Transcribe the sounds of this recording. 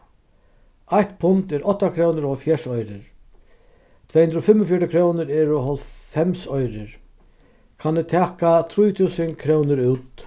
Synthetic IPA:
ajht̪pʰʊnt̪ɛɾʔɔht̪ːakʰɾownɪɾɔfjɛʂɔjɾɪɾ | t̪ʰɛːhʉnd̪ɾɔfɪmːɔfjɔʈɪkʰɾoːwnɪɾɛɾɔɦɔlfɛmsɔjɾɪɾ | kʰanːɛt̪ʰæːkat̪ʰɾuːjt̪ʰuːsəŋkʰɾownɪɾʉwt̪

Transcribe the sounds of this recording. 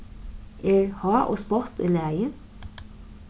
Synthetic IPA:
ɛɹhɑːʔɔ̰spɔt̪ḭːlæːjə

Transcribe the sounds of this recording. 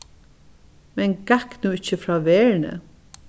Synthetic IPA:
mɛnɡaknuːɪt͡ʃːəfɾɑːʋɛːɹnə̰

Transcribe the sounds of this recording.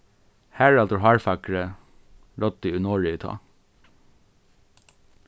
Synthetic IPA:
hæːɹɑlt̪ɔɦɑːɹfɑkɹə | ɾɔt̪̚d̪iʉnoːɹɪt̪ʰɑ̰ː

